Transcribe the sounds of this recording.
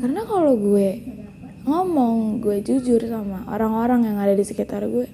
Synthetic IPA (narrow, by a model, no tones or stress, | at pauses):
karnakaloɡuɛ | ŋɔmɔŋɡuɛd͡ʒud͡ʒʊrsamaʔo̰ɾaŋoɾaŋjaŋadadisəkit̪arɡuɛ